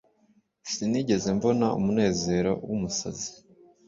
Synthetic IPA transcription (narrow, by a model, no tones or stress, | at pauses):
siniɟe̞ze̞mbo̞naṵmune̞ːze̞ːɾo̰wumusa̰zi̥